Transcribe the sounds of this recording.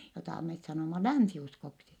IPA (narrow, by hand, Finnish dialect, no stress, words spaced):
jotɑˑ met sɑnoˑmɑ lænsiuskoksi